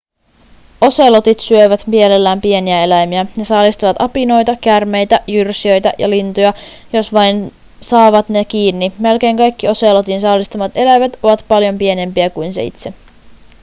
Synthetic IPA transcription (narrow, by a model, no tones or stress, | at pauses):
o̞selo̞t̪it̪syøʋæt̪mie̞le̞lːæːmpie̞niæe̞læjmiænesɑːlist̪ɑʋɑt̪ɑpino̞jt̪ɑkærme̞jt̪æjyrsiø̞jt̪æ̰jʔɑ̰lint̪ojɑ | jo̞sʋɑjn | sɑːʋɑt̪nek̟iːnːime̞lk̟e̞ːŋkɑjkːio̞selot̪insɑːlist̪ɑmɑt̪e̞læjʋet̪o̞ʋɑt̪pɑljo̞mpie̞ne̞mpiækujnsḛḭt̪se̞